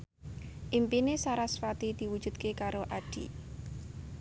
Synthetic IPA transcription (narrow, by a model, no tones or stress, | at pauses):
ʔimpinesaɾasfat̪id̪̥i̤wud̥ʒ̥ṳd̪̚kekaɾoʔaɖ̥ḭ